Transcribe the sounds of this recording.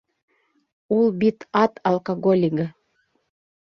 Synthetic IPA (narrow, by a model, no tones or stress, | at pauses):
ulˠbʲit̪ɑt̪ɐlˠkaɡolʲiɡə